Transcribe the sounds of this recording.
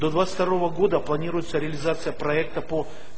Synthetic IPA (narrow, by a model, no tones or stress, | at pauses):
d̪od̪vat̪sɨ̥t̪ɐɾo̞vəɡo̞d̪əplˠɐnʲiɾʊjɪt̪səɾʲɪəlʲɪzat̪sɨjəpɾɐɛk̚t̪əpo